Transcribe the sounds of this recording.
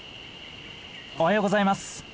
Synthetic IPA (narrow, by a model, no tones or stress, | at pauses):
ohajoːɡozaimas